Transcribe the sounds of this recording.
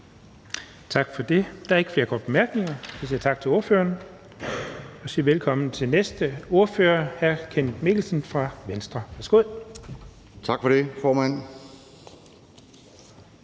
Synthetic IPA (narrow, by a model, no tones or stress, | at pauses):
t͡sʰɑ̈ɡ̥fɒ̽d̥e̝d̥ɑ̈æɐeɡ̥fle̝ɐkʰɒ̰ːd̥b̥e̝mæɐɡ̥ne̝ŋɐisiɐt͡sʰɑ̈ɡ̥̚t͡sʰe̝lo̝ɐfø̰ːɐn | ɒ̽siːɐʋelkʰɒ̽m̰n̩t͡sʰe̝lnesd̥əo̝ɐføːɐhæɐkʰenme̝ɡ̥l̩sənfʁɑ̈ʋensd̥ʁɐʋæɐsɡ̥o̝ð̰ˠ | t͡sʰɑ̈ɡ̥fɒd̥e̝fɒːmæn̰